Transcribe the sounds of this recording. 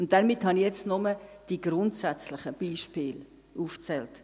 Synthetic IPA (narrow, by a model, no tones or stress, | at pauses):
ʊnt̚d̥ɛɾmɪthɑnijɛt͡stnɔməd̥iɡɾʊntsæt͡slɪχəb̥iːʃpɪːl | uːft͡sɛlt